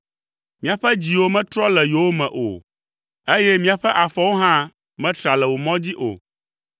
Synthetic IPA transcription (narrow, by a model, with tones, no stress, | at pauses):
mĩ˦a˨ɸɛ˦d͡ʑi˨wo˦mɛ̃˦t̪ɾɔ˦lɛ˨jo˨wo˦mɛ̰̃˨ʔo̰˨ | e˦jɛ˦mĩ˦a˨ɸɛ˦ʔa˨fɔ˨˦wo˦ɦã˦ | mɛ̃˦t̪ɾa˨lɛ˨wo˨mɔ̃˦d͡ʑi˦ʔo̰˨